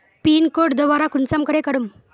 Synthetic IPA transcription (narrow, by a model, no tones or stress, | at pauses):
piːnkoɽd̪ɔʋaɾakunt͡samkəɽekəɽum